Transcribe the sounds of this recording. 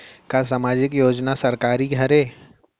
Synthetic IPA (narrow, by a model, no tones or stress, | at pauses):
kas̬amaːd͡ʒɪkjoːd͡ʒnasɐɾkaːɾiɡʱɐɾeː